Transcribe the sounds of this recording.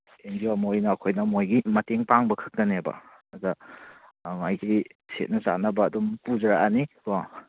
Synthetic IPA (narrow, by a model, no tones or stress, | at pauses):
eŋɡiwamojnɐːkʰojnɐmojɡimɐteŋpaŋbɐkʰɯ̥k̚tɐnebɐ̰ | ɐdɐ | ŋajɡɾisḛt̚nɐsa̰nɐbɐːdumpuzɐɾaʔaniɾo